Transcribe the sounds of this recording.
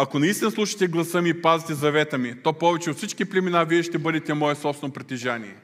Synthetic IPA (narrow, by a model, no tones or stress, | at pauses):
ɐkonɐist̪ʲinəslˠuʃi̥t̪ɛɡlˠɐsəmiːpazit̪ɛzɐvɛt̪əmit̪opɔvɛt͡ʃɛot̪fsit͡ʃkiplʲɛminaviɛʃt̪ɛbɤd̪ɛt̪ɛmɔɛsɔpsvɛnopɾɛt̪iʒanḭɛ